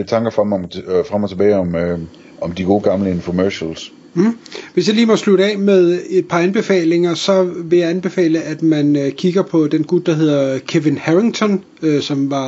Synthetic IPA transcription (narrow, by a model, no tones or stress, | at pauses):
et͡sʰɑ̈ŋɡ̥ɐfʁɑmmfʁamɒt͡sʰe̝b̥ɛːɪɒ̽m | ɒ̽md̥iɡ̥o̝ːɡ̥ɑ̈mləenfɔmæɕls̩ | ʋe̝s̬jɑ̈liːmɒ̽sluɾ̥ɛ̰ːmeðˠe̝d̥̚pʰɑ̈ænb̥e̝fɛ̰ːle̝ŋɐsɒ̽ʋe̝jɑ̈ænb̥e̝fɛ̰ːləʔæd̥mænøkʰiɡ̥ɐpʰɒ̽d̥enɡ̥ud̥d̥ɑ̈ɦe̝ð̞̰ˠɐkʰeʋenhæʁiŋt͡sʰɒ̽n | øsɒ̽mʋɑ̈